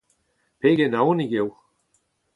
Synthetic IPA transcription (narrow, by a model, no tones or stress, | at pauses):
peɡenauniɡew